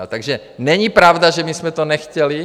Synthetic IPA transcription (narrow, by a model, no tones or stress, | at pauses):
lt̪aɡʒɛ | ɲɛɲipɾaʊd̪aʒɛmismɛt̪ɔnɛxcɛli